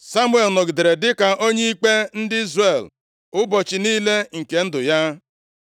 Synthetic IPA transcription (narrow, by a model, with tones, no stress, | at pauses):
sa˦mwe˨lnɔ˨ɡɪ˨de˨ɾe˨dɪ˦ka˨ʔo˦ɲe˦i˦k͡pe˦n̩˦dɪ˦i˦zre˨l | ʊ˦bɔ˨t͡ʃɪ˨niː˦le˦ŋ̩˨ke˨n̩˦dʊ˨ja˦